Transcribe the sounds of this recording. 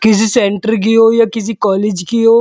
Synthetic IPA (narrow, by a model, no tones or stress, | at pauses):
kɪs̬isẽɳʈəɾɡijojakɪs̬ikɔːleːd͡ʒɡijoː